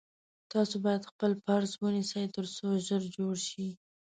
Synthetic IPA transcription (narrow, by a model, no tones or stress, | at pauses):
t̪ɑsobɑjad̪xpəlfaɾzwənisəjt̪əɾsoʒəɾd͡ʒoɽʃi